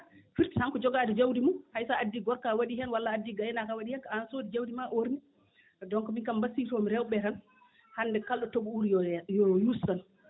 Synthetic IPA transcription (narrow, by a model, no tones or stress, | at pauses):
fiɾthaŋkɔd͡ʒɔɡaːdɛd͡ʒawdimunhajsaadːiɡɔɾkawaɗiɦɛnwalːaːdːiɡajnakawaɗihɛnkansoːdid͡ʒawdimaʔoɾni | dɔŋkɔminkambasitɔmiɾɛwɓɛɾan | handɛkalɗɔtoɓuuɾijjɔjusan